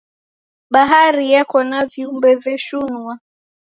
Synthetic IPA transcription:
ɓaɦaɾijakɔnaviumbɛvɛʃunua

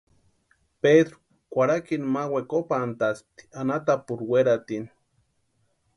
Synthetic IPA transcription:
peðɾu̥ | kʷaɾakinmawekopant̪as̚t̪i̥anat̪apuɾweɾat̪in

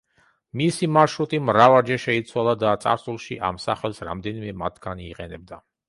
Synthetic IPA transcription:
misimaʃɾut̪ʼimɾavaɾd͡ʒɛʃɛit̪sʰwalˠad̪at̪sʼa̰ɾsulˠʃiʔa̰msa̰χɛlˠsɾa̰md̪ɛnimɛmat̪ʰɡaniːqʼɛnɛb̚d̪a

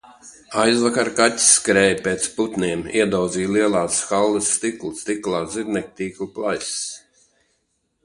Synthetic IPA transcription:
ajzvakaɾkat̪ʲskɾɛːjpeːt̪sput̪niɛmiɛd̪ɔwd̪ziːjliɛlˠaːsxalˠːɨsːt̪iklˠust̪iklˠaːziɾnʲɛk̚t̪iːkuplˠajs

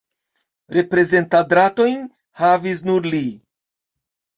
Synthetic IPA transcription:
ɾe̞pɾe̞ze̞ntadɾato̞jn | havis̬nuɾli

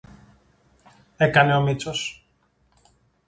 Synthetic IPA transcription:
ekɐne̞o̞mit͡sos

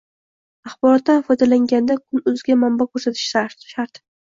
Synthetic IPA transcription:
ɑχbɒɾɒt̪̚ːanfɒjd̪alaŋɡʲand̪akʰʊnɵzɡʲamambakʰɵɾsat̪ʰɪ̥ʃʃaɾʃaɾt̪

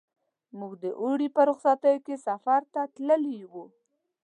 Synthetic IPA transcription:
muɡd̪əʔuɽipəɾʊxsat̪əjokesafaɾt̪at̪ləliwu

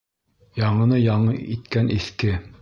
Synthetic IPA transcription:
jɑɴɤ̆nɤjɑɴɤʔit̪kænʔiθkɘ

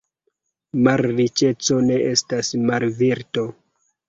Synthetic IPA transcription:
maɾːit͡ʃe̞t͡so̞ne̞ʔe̞stasmaɾviɾto̞

